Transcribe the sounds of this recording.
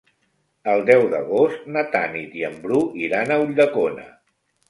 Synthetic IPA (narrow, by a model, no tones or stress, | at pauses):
əlˠd̪ɛwðəɣ̞ost̪nət̪anit̪iəmbɾuiɾanəuʎd̪əkonə̰